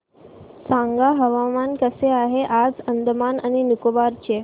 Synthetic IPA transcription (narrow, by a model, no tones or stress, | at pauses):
sãŋɡaɦəʋamankəseaɦeʔad͡zənd̪ʱəmanañinukoʋaɾt͡ɕe